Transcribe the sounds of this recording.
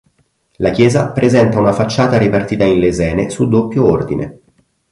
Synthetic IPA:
lakjɛːzapɾʔezɛnt̪aunafat͡ʃːaːt̪aɾipart̪iːt̪ainlezɛːnesud̪opːjoord̪inḛ

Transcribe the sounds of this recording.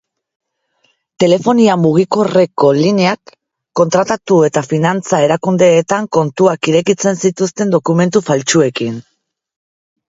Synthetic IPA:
t̪e̞le̞fo̞niamuɣ̞ikore̞ko̞lineakː | o̞nt̪ɾat̪at̪ue̞t̪afinant͡sae̞ɾakund̪e̞ːt̪aŋko̞nt̪uakiɾe̞kit͡se̞nsit̪ust̪e̞nd̪o̞kume̞nt̪ufalt͡ʃue̞kin

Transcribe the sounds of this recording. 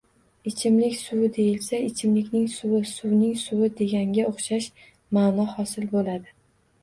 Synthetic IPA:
ɪt͡ʃʰɪmlɪkʲsʊwɪd̪e̞jɪlsaɪt͡ʃʰɪmlɪkʲnɪŋsʊwɪsʊwnɪŋsʊwɪd̪e̞ɡʲaŋɡʲaoχʃaʃ | maːnɒhɒsɪlbolad̪ɪ

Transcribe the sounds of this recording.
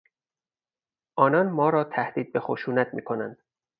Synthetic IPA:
ʔɒːnɒnmɒːɾɒːt̪ʰæhd̪̥iːd̪̚be̞xoʃuːnæt̪miːkʰo̞nænd̪̥

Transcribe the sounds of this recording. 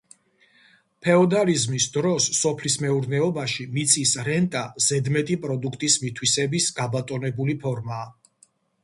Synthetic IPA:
pʰɛɔd̪alizmisd̪ɾɔsːɔpʰlismɛuɾnɛɔbaʃimit̪sʰʼisɾɛnt̪ʼaz̥ɛd̪mɛt̪ʼipʼɾɔd̪ukʰt̪ʼismit̪ʰwisɛbisɡabat̪ʼɔnɛbulipʰɔɾmaː

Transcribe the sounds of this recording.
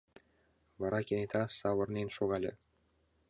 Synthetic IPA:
vɑɾʔɑkʲenʲt̪ʰɑsɑwɤ̆rnenʃoɣɑlʲḛ̆

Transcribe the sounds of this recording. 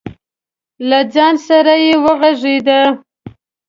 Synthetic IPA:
lad͡ʒɑnsaɾajewəɣaʐed̪a

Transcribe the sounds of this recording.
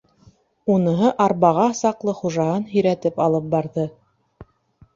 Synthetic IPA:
unɤ̆ɦɤʔɑɾβɑʁɑsɑqlˠɤχuʒɑɦɤnɦɵ̆jɾæt̪ɘpɑlˠɤp̚bɑɾðɤ

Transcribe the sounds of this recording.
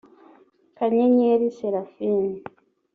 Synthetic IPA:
kaɲeɲeɾiseɾafiːni

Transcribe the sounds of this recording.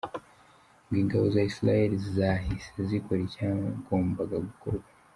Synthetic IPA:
ŋɡiːŋɡaβo̞zaisiɾaheɾizizaɦisezikoɾecaɡo̞ːmbaɡaɡuko̞ɾɡwḁ

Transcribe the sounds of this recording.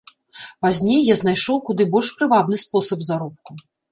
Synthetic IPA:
pazʲnʲejːazn̪ajʂɔwkud̪ɨbɔlʲʂpɾɨvad̪nɨspɔsɐbzaɾɔp̚ku

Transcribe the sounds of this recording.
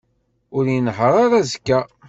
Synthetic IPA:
ʊɾjinħɾˤɑɾæzkːæ

